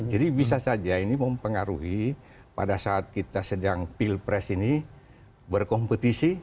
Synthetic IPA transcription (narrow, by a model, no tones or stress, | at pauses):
d͡ʒadibisasad͡ʒainiməmpəŋaɾuɦi | pa̰dasaːt̪̚kit̪asədaŋpilpɾɛsini | bərkɔmpət̪isi